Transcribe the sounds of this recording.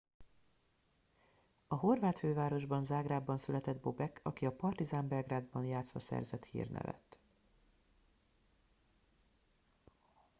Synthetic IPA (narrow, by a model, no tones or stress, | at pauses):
ɒɦo̞rvaːt̪føːvaːɾo̞ʒbɒnzaːɡraːbːɒnsylɛt̪ɛd̪bo̞bɛkʰɒkiɒpɒrt̪izaːmbɛlɡraːd̪bɒnjaːt̪sʋɒsɛ̰rzɛt̪hḭːrnʔɛ̰vɛ̰t̪ː